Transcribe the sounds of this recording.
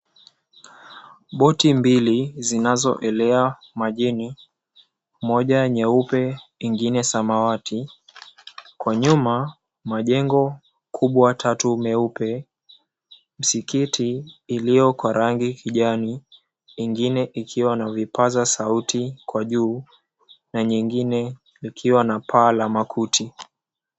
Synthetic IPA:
ɓɔtimbilizinazɔ̰ʔɛlɛa | maʄini | mɔʄaɲɛupɛiŋɡinɛsamawati | kwaɲuma | maʄɛŋɡɔ | kʰuɓwatʰatumɛupɛ | m̩sikitiːlijɔkwaɾaŋɡikʰiʄaniː | ŋɡinɛʔikʰiwanavipazasautʰikwaʄuː | naɲiŋɡinɛ | likʰiwanapʰaːlamakʰutʰi

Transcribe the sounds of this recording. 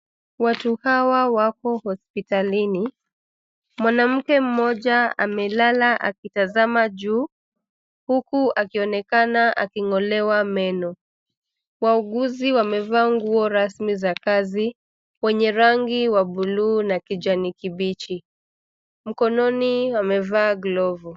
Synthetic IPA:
watuhawawakɔhɔspitalini | mwanam̩kɛm̩mɔʄaa̰mɛlalaʔa̰kitazamaʄuː | hukuakiɔnɛkanaʔa̰kiŋɔlɛwamɛnɔ | wauɠuziwamɛvaːŋɡuɔɾasmizakazi | wɛɲɛɾaŋɡiwaɓuluːnakid͡ʒanikiɓit͡ʃi | m̩kɔnɔniwamɛvaːɡlɔvu

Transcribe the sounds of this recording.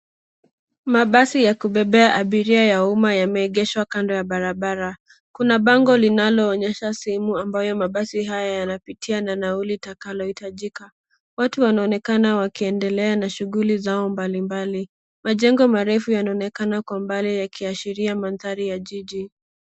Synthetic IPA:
maɓasijakuɓɛɓɛaʔaɓiɾiajaumajamɛːɠɛʃwakandɔjaɓaɾaɓaɾa | kunaɓaŋɡɔlinalɔːɲɛʃasɛɛmuambajɔmaɓasiɦajajanapitʰiananaulitakalɔhitaʄika | watuwanaɔnɛkanawakiɛndɛlɛanaʃuɣulizaɔmbalimbali | maʄɛŋɡɔmaɾɛfujanaɔnɛkanakwambalijakiaʃiɾiamanθaɾijaʄiʄi

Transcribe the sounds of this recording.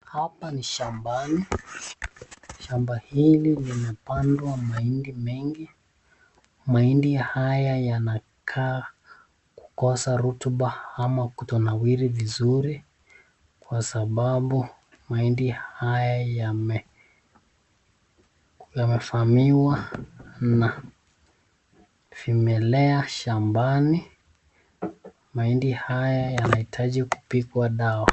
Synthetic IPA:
hapaniʃambani | ʃambahililimɛpandwamaindimɛŋɡi | maindihajajana | kʰaː | ku̥kɔsaɾutuɓaamakutɔnawiɾivizuɾi | kwasaɓaɓu | maindihajajamɛ | jamɛfamiwa | na | fimɛlɛaʃambani | maindihajajanahitʰaʄiku̥pikwaɗawa

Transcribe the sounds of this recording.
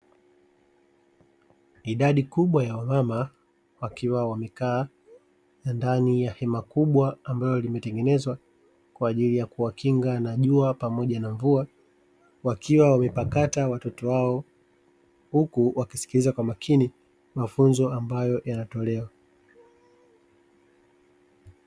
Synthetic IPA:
iɗaɗikuɓwajawamama | wakiwawamɛkaː | nandanijahɛmakuɓwaːmbalɔlimɛtɛŋɡɛnɛzwa | kwaːʄilijakuwakiŋɡanaʄuapamɔʄanaɱvua | wakʰiwawamɛpakatawatɔtɔwaɔ | hukuwakisi̥kilizakwamakʰini | mafunzɔambajɔjanatɔlɛwa

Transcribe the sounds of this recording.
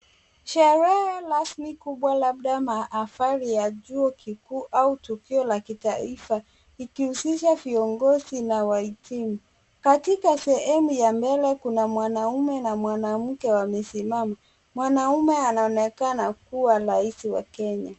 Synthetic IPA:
ʃɛɾɛhɛɾasmikuɓwalaɓ̚ɗamaʔːfaɾijaʄuɔkikuːʔautukiɔlakitaifa | ikihusiʃaviɔŋɡɔzinawaitimu | katikasɛhɛmujambɛlɛkunamwanaumɛnamwanam̩kɛwamɛsimama | mwanaumɛanaɔnɛkanakuwaɾaisiwa̰kɛɲa

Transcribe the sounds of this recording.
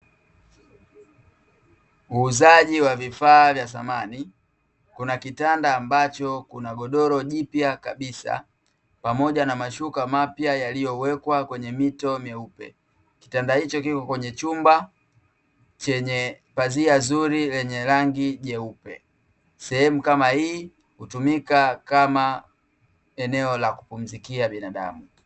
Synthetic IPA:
uːzaʄiwavifaːvjasamani | kunakitandaːmbat͡ʃɔkunaɡɔɗɔɾɔʄipjakaɓisa̰ | pamɔʄanamaʃukamapjajalijɔwɛkwakwɛɲɛmitɔmjɛupɛ̰ | ki̥tandahit͡ʃɔkikɔkwɛɲɛt͡ʃumba | t͡ʃɛɲɛ | paziazuɾilɛɲɛɾaŋɡiʄɛupɛ̰ | sɛhɛmukamahiː | hutumikakama | ɛnɛɔlaku̥pum̩zikiaɓinaɗa̰mu

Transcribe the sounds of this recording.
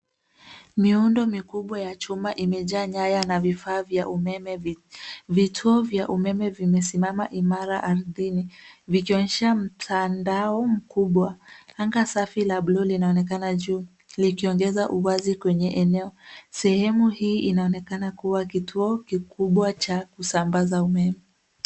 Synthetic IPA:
miundɔmikuɓwajat͡ʃumaʔimɛʄaːɲajanavifaːvjaʔumɛmɛ | vitʰuɔvjaʔumɛmɛvimɛsimamaʔimaɾaʔaɾðinivikiɔɲɛʃam̩tʰandaɔm̩kuɓwaaŋɡasafilablɔlinaɔnɛkanaʄuː | likiɔŋɡɛzaʔuwazikwɛɲɛʔɛnɛɔsɛhɛmuhiːʔinaɔnɛkanakuwakitʰuɔkikuɓwat͡ʃakusambazaumɛmɛ

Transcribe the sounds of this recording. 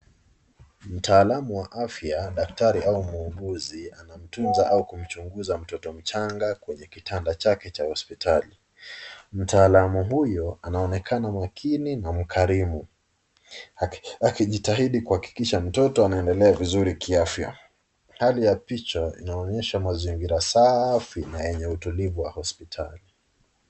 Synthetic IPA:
m̩taːlamuwaʔafjaɗaktaɾiʔaumuːɠuzianam̩tunzaʔaukum̩t͡ʃuŋɡuzam̩tɔtɔm̩t͡ʃaŋɡakwɛɲɛkitʰandat͡ʃakɛt͡ʃahɔspitʰali | m̩taːlamuɦujɔanaɔnɛkʰanamakʰininam̩kʰaɾimu | akiʄitaɦiɗikuhaki̥kiʃam̩tɔtɔanaɛndɛlɛavizuɾikiafja̰ | halijapit͡ʃɔḭnaɔɲɛʃamaziŋɡiɾasafinajɛɲɛutulivuwahɔspitʰa̰li

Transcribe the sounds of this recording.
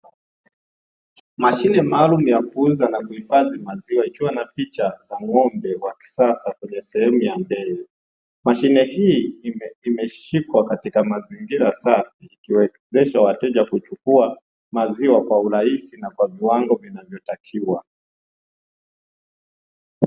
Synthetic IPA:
maʃinɛmaːlumujakuuzanakuhifazimaziwaikiwanapit͡ʃazaŋɔmbɛwaki̥sasakwɛɲɛsɛhɛmujambɛɛ | maʃinɛhiːimɛʃikwakatikamaziŋɡiɾasafiːkiwɛ | zɛʃawatɛʄakut͡ʃukua | maziwakwauɾaisinakwaviwaŋɡɔvinavjɔtakʰiwa

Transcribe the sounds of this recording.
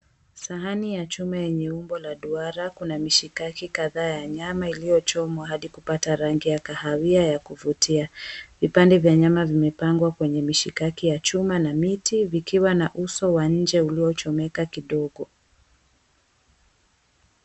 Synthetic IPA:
saɦanijat͡ʃumajɛɲɛumbɔlaɗuaɾakunamiʃikakikaðaːjaɲamailijɔt͡ʃɔmwaɦaɗikupataɾaŋɡijakahawiajakuvutiavipandɛvjaɲamavimɛpaŋɡwakwɛɲɛmiʃikakijat͡ʃumanamitivikiwanaʔusɔwaɲ̩d͡ʒɛuliɔt͡ʃɔmɛkakiɗɔɠɔ

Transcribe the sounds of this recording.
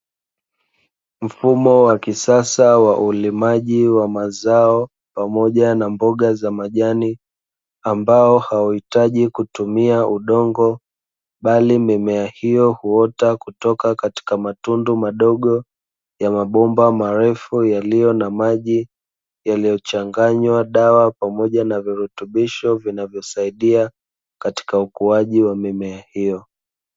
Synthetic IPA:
m̩fumɔwakisasawaʔulimaʄiwamazaɔ | pamɔʄanambɔɠazamaʄani | ambaɔhawahitaʄikutumiaʔuɗɔŋɡɔ | ɓalimɛmɛahijɔhuɔtakutɔkakati̥kamatundumaɗɔɠɔ | jamaɓɔmbamaɾɛfujalijɔnamaʄi | jalijɔt͡ʃaŋɡaɲwaɗawapamɔʄanaviɾutuɓiʃɔvinavjɔsaiɗia | kati̥kaukuaʄiwamɛmɛahijɔ

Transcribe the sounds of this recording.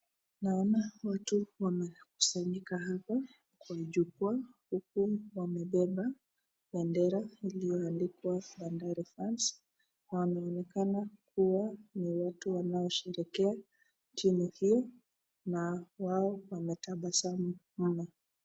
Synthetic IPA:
naɔnawatuwamɛku̥saɲikahapa | kwaʄuk̚uahuk̚uwamɛɓɛɓa | ɓɛndɛɾailijɔandikwaɓandaɾifɾans | wamɛɔnɛkanak̚uwaniwatuwanaɔʃɛɾɛkɛa | t͡ʃinuhijɔ | nawaɔwamɛtaɓasamu | m̩na

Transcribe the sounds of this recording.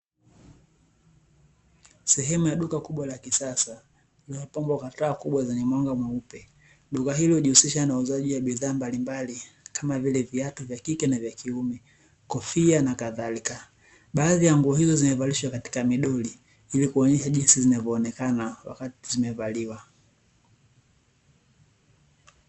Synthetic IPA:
sɛɦɛmujaɗukakuɓwalakisasa | liɔpɔmbwakataːkuɓwazɛɲɛmwaŋɡamwaupɛ | ɗukaɦilihuʄihusiʃanauzaʄiwaɓiðaːmbalimbalikʰamavilɛviatuvjakikɛnavjakʰiumɛ | kɔfianakaðalika | ɓaːðijaŋɡuɔhizɔzimɛvaliʃwakati̥kamiɗɔli | ilikuɔɲɛʃaʄinsizinavɔːnɛkanawa̰katizimɛvaliwa

